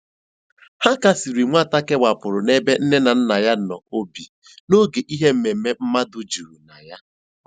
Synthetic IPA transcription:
ha˦ka˦si˨ɾi˨ŋʷ˦a˦˨ta˦ke˦wa˨pʊ˨ɾʊ˨ne˦be˦n̩˦ne˦na˨n̩˦na˨ja˦n̩˨ɔ˨o˦bi˨ | no˦ɡe˨ʔi˦ɦe˦m̩˨me˨m̩˨me˦m̩˦ma˦dʊ˦d͡ʒu˨ɾu˨na˨ja˦

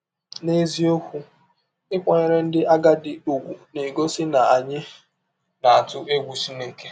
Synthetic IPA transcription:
ne˦zi˦o˦kʷu˦ | ɪ˦kʷa˨ɲe˨ɾe˦n̩˦dɪ˦a˦ɡa˦dɪ˨u˨ɡʷu˨ne˨ɡo˦sɪ˦na˨a˨ɲɪ˦ | na˨a˨tʊ˦ʔe˦ɡʷu˨si˦ne˦ke̥˦

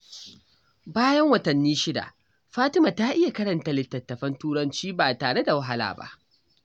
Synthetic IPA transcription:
baː˦jɐ˦ŋwɐ˨tɐ˨nːiː˦ʃɪ˦da̰˨ | ɸaː˦tɪ˦maː˨taː˦ʔɪ˦ja˨kɐ˦ɽɐ˨nta˦lɪ˨tːɐ˨tːɐ˨ɸɐ˦ntuː˦ɽɐ˦nt͡ʃiː˦baː˨taː˨ɽe˦da˨wɐ˦ɦa˦la̰ː˨ba̰˦ʔ

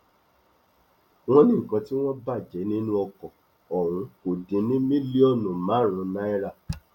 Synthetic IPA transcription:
w̃ɔ̃˦nĩ˦ŋ̩˨kɔ̃˧ti˦w̃ɔ̃˦ba˦˨d͡ʒɛ˨˦nĩ˦nũ˦ɔ˧kɔ˨ | ɔ˨ɾ̃ũ˨˧˦o˨dĩ˨˦nĩ˦mĩ˦li˦ɔ˦˨nũ˨mã˨˦ɾ̃ũ˨˧˦na˦i˦ɾa˦˨

